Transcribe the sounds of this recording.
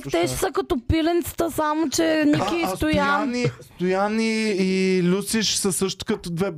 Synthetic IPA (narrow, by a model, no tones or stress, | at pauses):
kt̪ɛʃsəkɐt̪ɔpilɛnt̪sə̥t̪əsamot͡ʃɛnʲikist̪ojaanist̪ojaniilʲusiʃsəsɤʃt̪ʊ̥kɐt̪ɔd̪vɛ